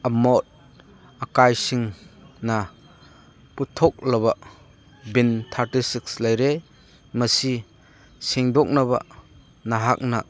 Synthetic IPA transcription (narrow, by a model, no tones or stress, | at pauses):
ɐmɔt̚ | akajsiŋna | putʰɔk̚lɐβa | bint̪ʰaɾtisikslajɾe | mɐsi | siŋdɔk̚naba̰ | naɦak̚na̰